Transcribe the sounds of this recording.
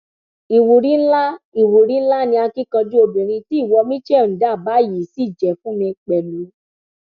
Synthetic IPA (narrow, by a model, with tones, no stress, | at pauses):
i˨wu˨ɾi˨˦la˦i˨wu˨ɾĩ˨˦la˦nĩ˧a˧ki˦kã˧d͡ʒu˦o˧bĩ˨ɾ̃ĩ˧ti˨˦i˦˨wɔ˧mĩ˦t͡ʃɛ˦˨n̩˨da˦˨ba˨˦˨ji˨si˨˦˨d͡ʒɛ˨fũ˦mĩ˧k͡pɛ˨lu˨˦